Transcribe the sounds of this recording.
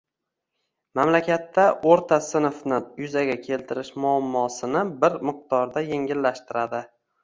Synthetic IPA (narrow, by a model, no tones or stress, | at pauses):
mamlakʲat̪ːaʔoɾt̪ʰasɪnfnɪjʊzaɡʲakʲʰe̞lt̪ʰɪɾɪʃmʊamːɒsɪnɪbɪɾmɨq̚t̪ɒɾd̪ajeŋʲɪlːaʃt̪ɪɾad̪ɪ